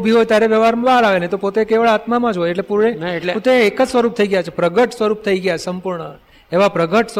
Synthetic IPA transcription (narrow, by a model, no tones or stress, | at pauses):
bʱiɦojt̪jaɾeʋjəʋaɾmbalaʋenet̪opot̪ekeʋəɭat̪mamãd͡ʒɦojeʈlepuɾɳeot̪eːkəd͡ʒsʋəɾup̚t̪ʰəiɡəjat͡ʃʰepɾəɡəʈsʋəɾup̚t̪ʰəiɡəjasəmpuɾɳə | eʋapɾəɡəʈs